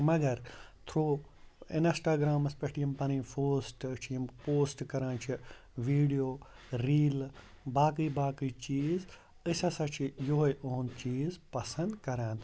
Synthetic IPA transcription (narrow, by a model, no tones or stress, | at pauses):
mɐɡɐɾt̪ʰɾoːɪ̰nsʈaːɡɾaːmɐspɐʈiɐmpɐnĩːfʰoːsʈt͡ʃʰimpoːsʈkɐɾãːnt͡ʃʰi | ʋiːɖijoː | ɾiːl | baːkiːbaːkiːt͡ʃiːz | ɨsɐsɐt͡ʃʰijoɦjʔoːnt͡ʃiːzpɐsɐ̃nd̪kɐɾãːnt̪ʰ